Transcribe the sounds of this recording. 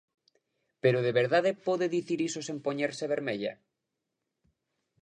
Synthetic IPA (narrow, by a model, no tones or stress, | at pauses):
peɾoð̞eβeɾðaðepoðeðiθiɾisosempoɲeɾseβ̞eɾmeʎa̰